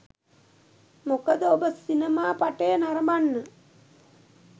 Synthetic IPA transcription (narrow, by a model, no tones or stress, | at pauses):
mokəd̪əobəsinemaːpaʈeːnaɾəmanːə